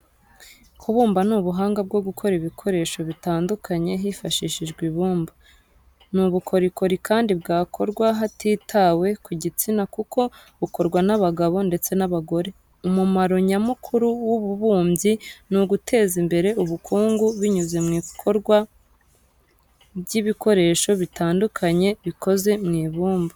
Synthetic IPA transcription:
kʰuβuːmbanuːβuɦaːŋɡab̚ɡo̞ɡukʰo̞ɾiβikʰo̞ɾe̞ːʃoβitaːndukʰaɲe̞ɦifaʃiʃiʒɡwiβuːmba | nuβukʰo̞ɾiko̞ɾikʰaːndibɡaːkʰo̞ɾɡwaɦatiːtʰawe̞kuɟit͡sinakukʰo̞ | βuko̞ɾɡwanaβaɡaβo̞nde̞t͡se̞naβaɡo̞ɾe̞ | umumaɾo̞ɲamukʰuɾuwuβuβuːmɟinuɡutʰe̞ːzimbe̞ɾe̞uβukʰuːŋɡuβiɲuze̞mŋiːkʰo̞ɾɡwa | bɟiβiko̞ɾe̞ːʃo̞βitaːndukʰaɲe̞βiko̞ze̞mŋiːβuːmba

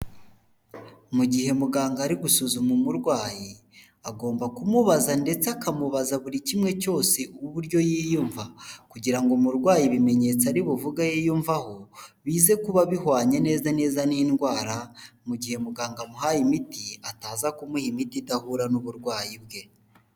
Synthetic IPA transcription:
muɟihe̞muɡaːŋɡaɾiɡusuzumumuɾɡwaːji | aɡo̞ːmbakumuβazande̞t͡seakamuβazaβuɾicimŋe̞co̞ːse̞uuβuɾjo̞jiːjuɱvakuɟiɾaŋɡomuɾɡwaːjiβime̞ɲe̞t͡saɾiβuvuɡajijuɱvaho̞βiːze̞kuβaβihwaːɲe̞ne̞ːzane̞ːzaniːnɡwaːɾamuɟihe̞muɡaːŋɡamuɦajimitiataːzakumuhimitidahuɾanuβuɾɡwaːjibɡe̞

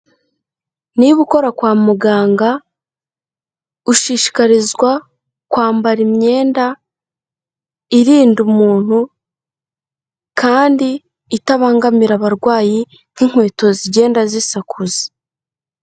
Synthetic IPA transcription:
niβuko̞ɾakwaːmuɡaːŋɡa | uʃiːʃi̥kaɾizɡwa | kwaːmbaɾimɲe̞ːnda | iɾiːndumuːn̥hu | kaːndiː | taβaːŋɡamiɾaβaɾɡwaːji | n̥iŋ̥we̞ːto̞ziɟe̞ːndazisakʰuzi̥

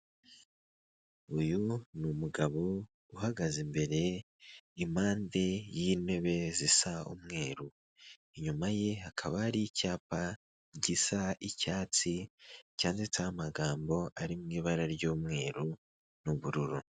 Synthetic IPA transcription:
ujunumuɡaβo̞ | uhaɡazimbe̞ɾe̞ | imaːnde̞jiːne̞βe̞zisaṵmŋe̞ːɾu | iɲumaje̞akʰaβaɾicaːpa | ɟisaʔicaːt͡sicaːnzitamaɡaːmbo̞ʔaɾimŋiːβaɾaɾɟoːmŋe̞ːɾu | nuβuɾuɾu

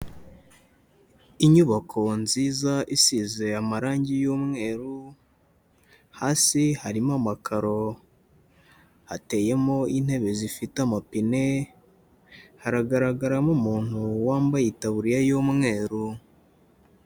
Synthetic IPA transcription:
iɲuβakʰo̞nziːzaʔisize̞amaɾaːɲɟijomŋe̞ːɾu | haːsihaɾimamakʰaɾo̞ | hate̞je̞mo̞in̥he̞βe̞zifitamapine̞ | haɾaɡaɾaɡaɾamomuːn̥huwaːmbajitaβuɾijajoːmŋŋe̞ːɾu

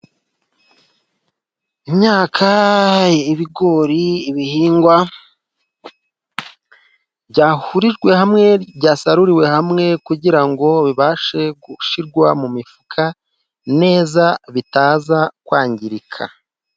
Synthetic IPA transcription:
imɲaːkʰa | iβiɡo̞ɾiːβihiːŋɡwa | bɟaːhuɾiʒɡwe̞ɦamŋe̞ɟaːsaɾuɾiwe̞hamŋe̞kuɟiɾaŋɡo̞βiβaːʃe̞ɡuʃiɾɡwamumifukʰa | ne̞ːzaβitaːzakwaːɲɟiɾikʰa̰

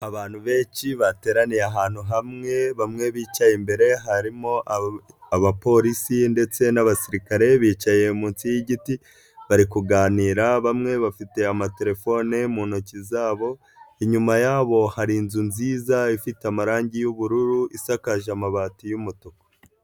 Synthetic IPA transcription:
aβaːnhuβe̞ːnʃiβate̞ːɾanijeaɦaːn̥huɦamŋe̞βamŋe̞βiːt͡ʃajembe̞ɾe̞ɦaɾimo̞ | aβapo̞ɾisinde̞t͡se̞naβasiɾikaɾe̞βiːt͡ʃaje̞muːnt͡sijiɟiti | βaɾikuɡaːniːɾaβamŋe̞βafite̞amate̞ɾe̞fo̞nemuːnocizaːβo̞ | iɲumajaːβo̞haɾiːnzunziːzaifiteamaɾaːɲɟijuβuɾuɾuʔisakaʒamaβatijumutoko̥

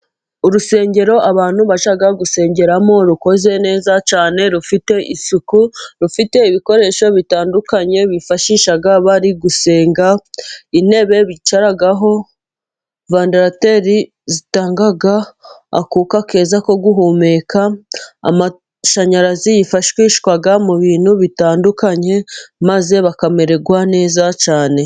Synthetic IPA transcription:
uɾuse̞ːɲɟe̞ɾo̞ʔaβaːn̥huβaʃaɡaɡuse̞ːɲɟe̞ɾamo̞ɾuko̞ze̞ne̞ːzat͡ʃaːne̞ɾufite̞ʔisukuɾufite̞iβiko̞ɾe̞ːʃo̞βitaːndukaɲe̞βifaʃiːʃaɡaβaɾiɡuse̞ːŋɡain̥e̞βe̞βit͡ʃaɾaɡaɦo̞ | vaːndaɾate̞ɾi | zitaːŋɡaɡaa̰kuːkake̞ːzako̞ɡuɦume̞kaa̰ma | ʃaɲaɾazijifaʃkweiʃkwaɡamuβiːn̥huβitaːndukaɲe̞maze̞βakame̞ɾe̞ɡwane̞ːzat͡ʃaːne̞

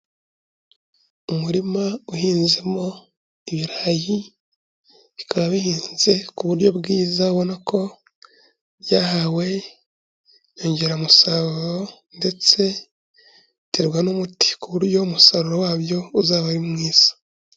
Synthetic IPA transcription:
umuɾimauhiːnzemo̞ | iβiɾaːji | βikaβaβihiːnze̞kuβuɾjo̞bɡiːzauβo̞nako̞ | jaɦawe̞ | joːɲɟe̞ɾamusaɾuɾo̞nde̞t͡se̞ | tʰeɾɡwanomuti̥kuβuɾjo̞musaɾuɾowaːβjo̞uzaːβaɾimŋiːz̥ḁ

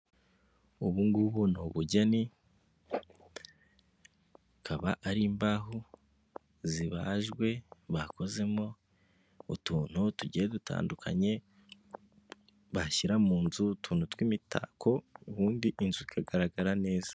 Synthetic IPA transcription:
uβuŋɡuβunoβuɟeni | kʰaβaʔaɾiːmbaɦu | ziβaʒɡwe̞βako̞ze̞mo | utuːn̥hutuɟieduta̰ːndukʰa̰ɲe̞ | βaʃiɾamuːnzutuːnutwimitʰa̰ːkʰo̞uβuːndiʔinzuzikʰaɡaɾaɡaɾane̞ːz̥ḁ

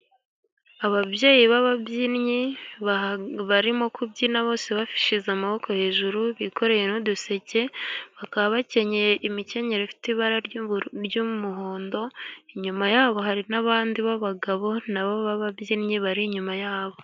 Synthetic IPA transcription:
aβavje̞ːjiβaβabjinɲiββaɾimo̞kʰubɟiːnaβo̞ːse̞βafi̥ʃizamaβo̞kohe̞ːʒuɾuβiko̞ɾe̞je̞nuduse̞ce̞βakaβaβace̞ɲejeʔimice̞ɲe̞ɾefi̥tiβaɾaɾɾjumuɦo̞ːndo̞iɲumajaːβo̞ɦaɾinaβaːndiβaβaɡaβo̞naβoβaβabɟiɾɲiβaɾiɲumajaːβo̞

